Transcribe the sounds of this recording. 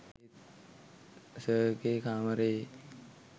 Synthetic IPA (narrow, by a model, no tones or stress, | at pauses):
e | səkeːkʰaːmɐɾeː